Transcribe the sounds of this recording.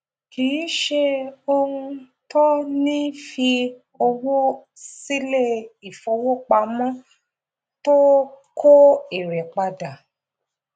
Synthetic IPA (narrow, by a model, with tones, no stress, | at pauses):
kĩ˨˦ʃe˧o˧hũ˧ | tɔ˦nĩ˦fi˧ | ɔ˧wo˦ | si˦le˦˨i˨fo˨˧˦wo˦k͡pa˧mɔ̃˦ | to˦ | kʰo˦e˨ɾɛ˨k͡pa˧da˨